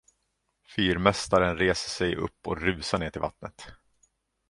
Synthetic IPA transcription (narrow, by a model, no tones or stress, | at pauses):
fyːɾmɛst̪aɾənɾeːsəʂɛjɵ̰pːɔɾʉ̟ːsaɳeːʈʰɪlva̰t̪nə̰t̪